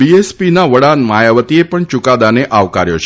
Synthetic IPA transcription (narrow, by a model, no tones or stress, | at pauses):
biespinaʋəɽanmajaʋət̪iepəɳt͡ʃukad̪aneʔaʋkaɾjot͡ʃʰ